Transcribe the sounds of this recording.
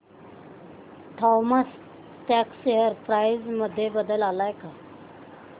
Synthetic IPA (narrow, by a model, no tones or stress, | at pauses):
ʈʰɔməs | tɛksːeɦəɾpɾajzməd̪ʱːjebəd̪əlalajka